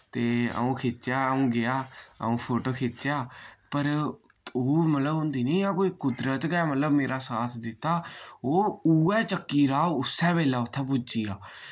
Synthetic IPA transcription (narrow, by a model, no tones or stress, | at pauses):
t̪eːə̰ũːkʰɪt͡ʃːjaːəũːɡɪjaːə̰ũːpʰoːʈoːkʰɪt͡ʃt͡ʃjaːpəɾ | oːmət̪ləbɦʊ̃nd̪iːnəĩːãːkoːikʊd̪ɾət̪kɛːmət̪ləbmeːɾaːsaːt̪ʰd̪ɪt̪ːaːoːuːɛːt͡ʃəkːiːɾaːʊsːɛ̃ːbeːlɛːʊt̪ʰːɛːp̬ʊd͡ʒd͡ʒiːaː